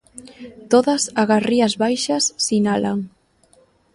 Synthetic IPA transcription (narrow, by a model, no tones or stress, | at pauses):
t̪oðɐsaɣariɐzβajʃɐsːinalaŋ